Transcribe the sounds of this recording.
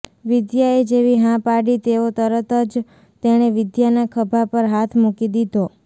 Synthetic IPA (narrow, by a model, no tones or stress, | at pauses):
ʋɪd̪jaed͡ʒeʋiɦãpaɽit̪eot̪əɾət̪əd͡ʒ | t̪eɽ̃eʋɪd̪janakʰəbʱapəɾɦat̪ʰmukid̪id̪ʱo